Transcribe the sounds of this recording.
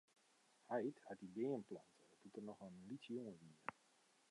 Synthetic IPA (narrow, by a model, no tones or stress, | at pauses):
hajthatidɪːənplantʰədutərnɔxənlitjoŋəʋiːər